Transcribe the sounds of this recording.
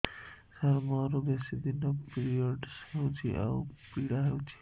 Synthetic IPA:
saɾmɔɾobesid̪inopiɾioɖsewt͡ʃʰiʔa̰wpiɽaɦewt͡ʃʰi̥

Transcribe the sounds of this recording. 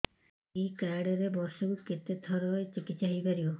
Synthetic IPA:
ikaɖɔɾebɔɾsɔkuket̪et̪ʰɔɾɔet͡ʃikit̪saɦipaɾiɔ

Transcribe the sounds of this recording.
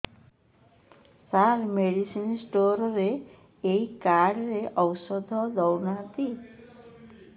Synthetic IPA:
saɾmeɽisinsʈoɾɔɾeː | ikaɾɖɾeʔɔwsɔd̪ʱɔlɔwnat̪i

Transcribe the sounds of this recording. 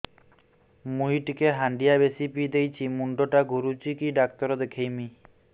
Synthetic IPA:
mujʈkeɦaɳɖijabesipid̪ejt͡ɕʰimuɳɖoʈaɡuɾut͡ɕikiɖak̚t̪ɔɾod̪ekʰejmi

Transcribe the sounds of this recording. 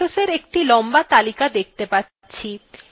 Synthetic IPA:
oseɾek̚ʈilɔmbat̪alikad̪ek̚t̪epatːɕʰi

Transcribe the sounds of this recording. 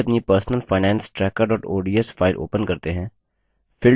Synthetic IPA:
ɐpnipəɾsnəlfʰaːɪnɛ̃ːnsʈɾɛːkəɾɔːʈoːɖiəsfʰaːɪlʔo̰ːpənkɐɾt̪eɦɛ̃ː | fʰɪl

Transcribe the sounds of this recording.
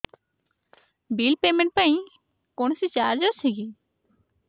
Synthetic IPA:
bilpemẽɳʈ̚paĩ | koɳsit͡ɕaːɾd͡ʒɔsʰeɡi

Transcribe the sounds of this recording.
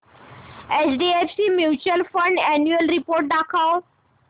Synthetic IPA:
ɛt͡ʃɖiefsimjuːt͡ʃuəlfə̃ɳɖɛnjuəlɾipoːɾʈ̚ɖakʰaw

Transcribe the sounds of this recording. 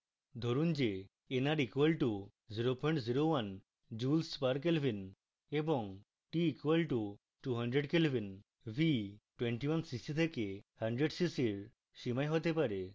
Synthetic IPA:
d̪ʱoɾund͡ʑe | enaɾikuwelʈu | ziɾopɔj̃ɳʈziɾowan | d͡ʑulspaɾkelobʱin | ebɔŋ | ʈiːkwelʈu | ʈuɦəɳɖɾeɖkilobʱin | bʱiʈweɳʈiwansiksʈit̪ʰekehəɳɖɾeɖsisiɾ | ʃimajɦot̪epaɾe

